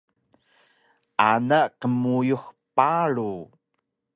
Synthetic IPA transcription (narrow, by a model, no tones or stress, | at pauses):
ʔanaqəmujuxpaɭu